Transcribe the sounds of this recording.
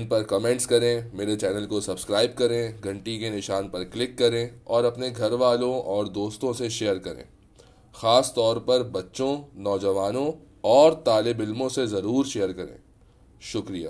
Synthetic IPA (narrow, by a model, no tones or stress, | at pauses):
npɐɾkɐmẽːɳʈskɐɾẽmeːɾet͡ʃɛːnəlkosɐbskɾaːɪb̚kɐɾẽɡʱɐ̃ɳʈikenɪʃaːnpɐɾklɪkːɐɾẽɔːɾɐpneɡʱɐɾʋaːlõɔːɾd̪oːst̪õseʃejəɾkɐɾḛ̃ː | xaːst̪ɔːɾpɐɾbɐtːʃõnɔːd͡ʒɐʋaːnõ | ɔːɾt̪aːlɪbɪlmõsezɐɾuːɾʃejəɾkɐɾḛ̃ː | ʃʊkɾija̰ː